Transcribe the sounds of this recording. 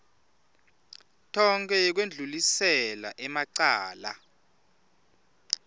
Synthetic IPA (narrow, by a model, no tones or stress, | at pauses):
tʰɔŋkʰɛk̬wend͡ɮʱulisɛla̰ʔɛmaǀaːla̰